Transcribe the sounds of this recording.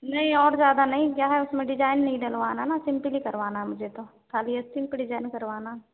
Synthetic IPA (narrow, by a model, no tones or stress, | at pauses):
nɐɦĩɔːɾzjaːd̪anɐɦĩkjaːɦɛʊsmẽɖɪd͡ʒaːɪnːɐɦĩɖɐlʋaːnanasɪ̃mplikɐɾʋaːnaɦɛmʊd͡ʒʱet̪okʰaːliɐst̪ʰɪ̃mpeɖɪd͡ʒaːɪnkɐɾʋaːnaɦɛ